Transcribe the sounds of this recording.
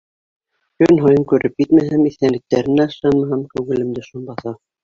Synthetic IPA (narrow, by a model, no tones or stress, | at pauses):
kɵnɦojɤŋkʉɾʔɘp̚jɘt̪mæɦæmiθænɘ̆k̚t̪æɾɘ̆næʃɑnmɑɦɑmkæwɡɘ̆lɘ̆md̪ɘʃunbɑθɑ